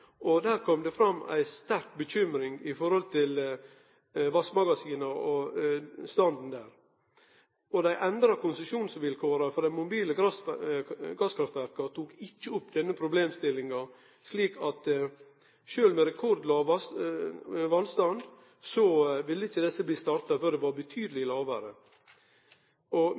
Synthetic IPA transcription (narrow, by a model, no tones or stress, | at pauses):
ʔɔd̪æːɾkʰɔmd̪ɛfɾɑmːæ̰ɪst̪æɾk̚bəçʏmɾɪŋɪfɔɾhɔlt̪ʰɪl | ʋɑsmɑɡɑsiːnɑɾɔ | st̪ɑnd̪n̩d̪æːɾ | ɔd̪æɪʔɛnd̪ɾɑkʰʊnsəʃuːnsʋɪlkʰoːɾɑfɔd̪æmʊbiːləɾɑs | ɡɑskʰɾɑft̪ʋæɾkɑt̪ʰuːkɪt͡ʃːəʊpːd̪ɛnːəpʰɾʊbleːmst̪ɪlːɪŋɑ | ʂliːkʰɑt̪ | ʃøːlmɛɾɛkʰɔɾd̪l̩ɑːʋɑs | ʋɑlst̪ɑnd̪ | sɔʋɪlːəɪçːəd̪ɛsːəbliːst̪ɑɾt̪ɑføːɾd̪ɛʋɑɾbət̪ʰyːd̪əlɪlɑːʋəɾə | ʔɔ